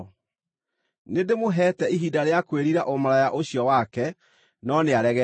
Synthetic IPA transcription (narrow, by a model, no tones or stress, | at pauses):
nedemoɦɛtɛiɦidaɾeakweɾiɾaʔomaɾajaʔoɕiɔwakɛ | nɔneaɾɛɣɛ